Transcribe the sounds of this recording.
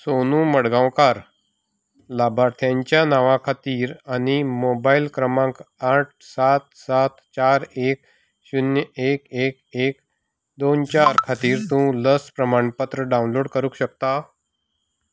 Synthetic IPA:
sonũːməɽɡãwkaɾ | labʱaɾt̪ʰjãɲt͡ɕjanaʋãkʰat̪iːɾanimobailkɾəmãŋkaʈ̚ʰsat̪̚sat̪t͡ɕaɾek̚ | ɕunjəekek̚ek | d̪ont͡ɕaɾkʰat̪iːɾt̪ũləspɾəmaɳpət̪ɾəɖaunloɽkəɾũːkɕək̚t̪a

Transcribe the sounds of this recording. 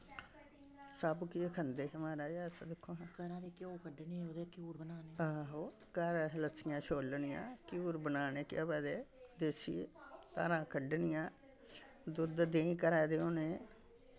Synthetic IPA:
səbkiekʰənd̪eːɦəmaːɾaːjaːsd̪ɪkʰːõːɦãːkəɾãːd̪eːkoːkəɖniod̪ekjuːɾbənaːneːaːɦoː | kaːɾaləsɪjãːt͡ʃʰoːlnɪjã̰ːkjuːɾbənaːneːkɪjaːpɛːd̪eːd̪eːsḭːk̪a̰ːɾãːkəɖnɪjãː | d̪ʊd̪d̪eːĩːkəɾaːd̪eːõːnẽː

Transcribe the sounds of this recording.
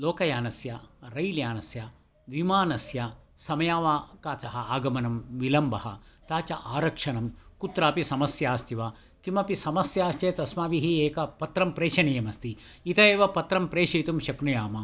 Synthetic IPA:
loːkɐjaːnɐsjɐɾɐjljaːnɐsjɐ | ʋimaːnɐsjɐsɐmɐjaːʋaːkaːt͡ʃɐɦɐaːɡɐmɐnɐmʋilɐmbʱɐɦɐ̰t̪aːt͡ʃɐʔaːɾɐkʂɐnɐmkut̪ɾaːpisɐmɐsjaːst̪iʋa | kimɐpisɐmɐsjaːʃt͡ʃeːt̪ɐsmaːʋiɦieːkɐpɐt̪ɾɐmpɾeːʃɐnijɐmɐst̪iit̪ɐeːʋɐpɐt̪ɾɐmpɾeːʃiːt̪umʃɐknujaːmɐ

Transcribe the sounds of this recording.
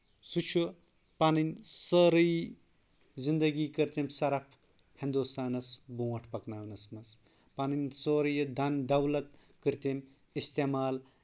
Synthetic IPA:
sut͡ʃʰu | paninʲsəɾɨj | zind̪ɐɡiːkəɾt̪emsɐɾɐpʰ | hĩnd̪ust̪aːnɐsbuːwɐʈʰpɐknaːwnɐsmɐs | panɨnʲsoɾɨjɐd̪ɐnd̪ɐwlɐt̪̚ | kɨɾt̪em | ist̪emaːl

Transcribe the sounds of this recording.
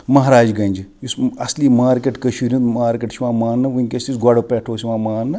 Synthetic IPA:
mɐɦɾaːd͡ʒɡɐnʲd͡ʒijusɐsliːmaːɾkʲeʈkəʃʰiːɾʲĩnd̪maːɾkʲeʈʃʰiʋãːmaːnːɨʋuĩŋkʲɐsʲt̪isɡɐɽopɛːʈʰoːsiʋãːmaːnːɨ

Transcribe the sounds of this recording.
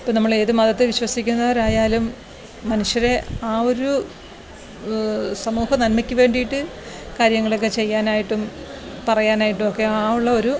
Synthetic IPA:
ipːonɐmːɐɭe̞ːðɨmɐðɐt̪ːɨʋiɕwɐsikʲːunːɐʋɐɾaːjaːlumː | ɐnuʂjɐɾe̞aːo̞ɾu | sɐmuːhɐnɐnmɐkʲːuʋe̞ːɳɖijiʈːɨ | kaːɾjɐŋːɐɭo̞k̬ːe̞t͡ɕe̞jːaːnaːjiʈːumpɐrɐjaːnaːjiʈːumokːe̞aːuɭːɐo̞ɾu

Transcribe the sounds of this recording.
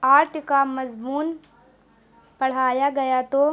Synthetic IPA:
aːɾʈkamɐzmuːn | pɐɽ̤aːjaɡɐjat̪o

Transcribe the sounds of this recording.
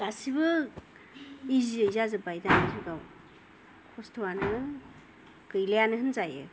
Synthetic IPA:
ɡ̥asibɯ | iziəjzazɯbajdanazɯɡaw | kʰɔstʰowanɯ | kɯjlejanɯɦɯnzajɯ̰

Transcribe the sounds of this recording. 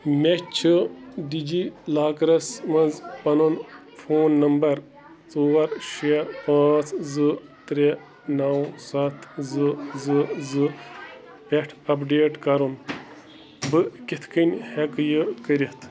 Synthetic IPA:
met͡ʃʰɨdid͡ʒilaːkɾɐsmɐzpɐnun | fʰoːnːɐmbɐɾ | t͡suːwɐɾʃiɐpaːt͡sʰzɨt̪ɾe | nɐwsɐt̪ʰzɨzɨzɨ | peʈʰɐpɖeːʈkɐɾun | bɨkʲit̪ʰkʰɨnhekjɨkəɾit̪ʰ

